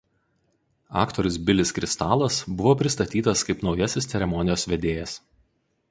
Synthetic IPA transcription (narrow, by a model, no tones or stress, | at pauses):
ɑ̰ːkt̪ɔɾʲʊs̬bʲɪlʲɪskɾʲɪst̪ɑːlˠɐsbʊʋoːpʲɾʲɪst̪ɐt̪ʲiːt̪ɐskɐɪpnɒʊjɛsʲɪst̪sʲɛɾʲɛmɔnʲɪjoːsʋʲɛd̪ʲeːjɛs